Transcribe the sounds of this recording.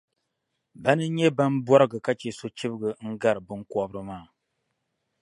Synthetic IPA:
ba˦nɨ˦ɲɛ˦ba˦n˦bɔ˦ɾɨ˦ɡɨ˨ka˦t͡ʃe˨so˦t͡ʃi˦bɨ˦ɡɨ˨˦ŋ̩˦ɡa˦ɾɨ˨bɨ˦ŋkʷɔ˦bɾɨ˦maː˦˨

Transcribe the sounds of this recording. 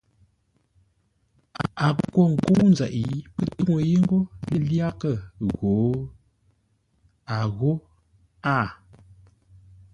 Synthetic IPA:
a˨a˨˦kwo˦˨ŋ̩˨ko˦n˨za̰˨ʔi˦pə˦tu˦ŋo˨ji˦ŋ̩˦ɡo˦lə˦lja˦kə˦˨ɣo˨˦ | a˨ɣo˦ | a˦˨

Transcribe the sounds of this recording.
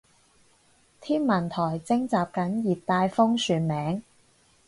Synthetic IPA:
t̪ʰiː˥nmɐ˨˩nt̪ʰɔː˨˩jt͡sɪ˥ŋt͡saː˨p̚kɐ˨˥njiː˨t̚t̪aː˧jfʊ˥ŋsyː˨˩nmɛː˨˥ŋ

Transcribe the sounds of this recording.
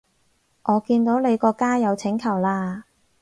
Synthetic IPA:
ʔɔː˨˧kiː˧nt̪o˨˥wle˨˧jkɔː˧kaː˥jɐ˨˧wt͡sʰɪ˨˥ŋkʰɐ˨˩wlaː˧

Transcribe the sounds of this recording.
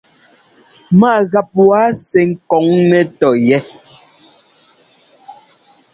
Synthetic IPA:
ma˦˨ɣa˨p̚wa˨˦sɛ˨ŋ̩˦kɔ˨˦ŋnɛ˦tɔ˨jɛ˦

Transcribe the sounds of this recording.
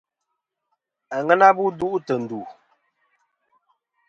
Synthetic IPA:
a˨ŋɛ˦na˦bu˦du˦ʔu˦tə˨n̩˨du˨

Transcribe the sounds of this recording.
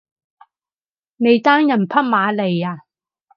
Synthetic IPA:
ne˨˧jt̪aː˥ŋjɐ˨˩npʰɐ˥t̚maː˨˧le˨˩jaː˧

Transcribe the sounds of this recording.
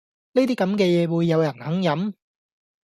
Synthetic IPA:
ne˥t̪iː˥kɐ˨˧˥mkɛː˧jɛː˨˧wuː˨˧jːɐ˨˧wjɐ˨˩nhɐ˨˥ŋjɐ˨˥m

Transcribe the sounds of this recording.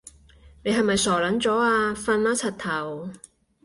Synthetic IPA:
ne˨˧jɦɐ˨jmɐ˨jsɔː˨˩lɐ˨˥nt͡sɔː˨˥aː˧fɐ˧nlaː˨˥t͡sʰɐ˨˩t̚t̪ʰɐ˨˩w

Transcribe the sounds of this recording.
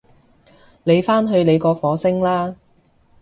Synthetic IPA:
le˨˧jfaː˥nɦɵ˧ɥle˨˧jkɔː˧fɔː˨˧˥sɪ˥ŋlaː˥

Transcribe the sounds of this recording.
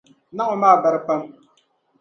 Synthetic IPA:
na˦ʔʊ˨maː˦˨ba˨ɾɨ˦pa˦m

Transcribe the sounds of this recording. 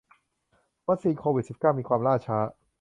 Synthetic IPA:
wa˦˥k̚siː˧nkʰoː˧wi˨˩si˨˩p̚kaː˥˩wmiː˧kʰwaː˧mɾaː˥˩t͡ɕʰaː˦˥

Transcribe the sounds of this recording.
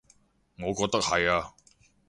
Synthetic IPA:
ŋɔː˨˧kɔː˧k̚t̪ɐ˥k̚hɐ˨jaː˧

